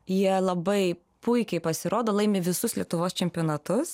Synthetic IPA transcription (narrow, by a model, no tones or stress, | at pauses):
jiɛlˠɐbɐɪ | pʊɪkʲɛɪpɐsʲɪɾoːd̪oːlˠɐɪmʲeːʋʲɪsʊslʲiɛt̪ʊʋoːst͡ʃʲɛmʲpʲoːnɐt̪ʊs